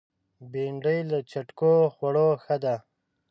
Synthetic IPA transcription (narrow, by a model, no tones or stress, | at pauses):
beɳɖəjlat͡ʃaʈkoxwaɽoxəd̪a